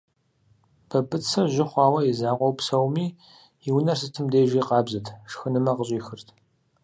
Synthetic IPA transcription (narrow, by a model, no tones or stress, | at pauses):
b̥ʰɐbɨt͡sʰɐʒɪχʷɑːwɐjizaːqʷɔwpsɐwmiː | iwnɐrsɨtʰɨmdeːʒiːqɑːbzɨtʰʂxɨnɨmɐqəɕʼiːxɨrtʰ